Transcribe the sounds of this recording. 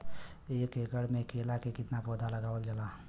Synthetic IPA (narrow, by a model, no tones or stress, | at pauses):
ekeɡəɽmekʰelakekɪt̪napod̪ʱaləɡaːwəld͡ʒela